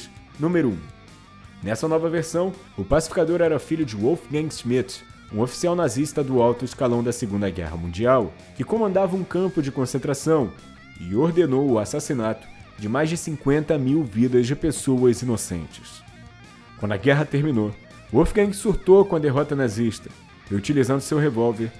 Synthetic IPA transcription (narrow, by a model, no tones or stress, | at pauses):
nũmeɾʊṵ̃ | nɛsɐnɔvɐveɾsɐ̃w̃ | ʊpasi̥fi̥kad̪oɾɛɾɐfiʎʊd͡ʒɪwowfɡãŋɡsmit̪ | ũofi̥siawnazist̪ɐd̪ʊawt̪ʊɪskalɐ̃w̃d̪ɐseɡũnd̪ɐɡɛ̰ɦɐ̰mũd͡ʒiaw | kɪkõmɐ̃nd̪avɐũkɐ̃mpʊd͡ʒɪkõsẽnt̪ɾasɐ̃w̃ | ɪ̰oɾd̪enowʊasasinat̪ʊ̥ | d͡ʒɪmajzd͡ʒɪsĩŋkwẽnt̪ɐmiwvid̪ɐzd͡ʒɪpesoɐzinosḛ̃nt͡ʃɪ̥s | kwɐ̃nd̪ɐɡɛɦɐt̪eɾmĩno | ʊowfɡẽɡsuɾt̪owkõɐd̪eɦɔt̪ɐnaziʃt̪ɐ̥ | hiut͡ʃilizɐ̃nd̪ʊsewɦevɔwveɾ